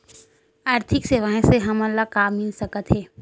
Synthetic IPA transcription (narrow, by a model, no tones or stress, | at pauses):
aːɾt̪ʰɪkseʋaːẽseɦɐməlːakaːmmĩnsəkət̪ɦɛː